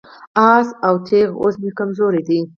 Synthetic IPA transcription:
ɑsawt̪ʰeɣo̰smekamzoɾed̪i

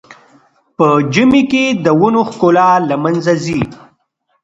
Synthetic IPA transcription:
pəd͡ʒɪmeked̪əwʊnoxkolalamanzazi

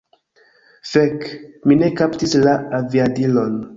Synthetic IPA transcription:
fekmine̞kaptislaaviadilo̞n

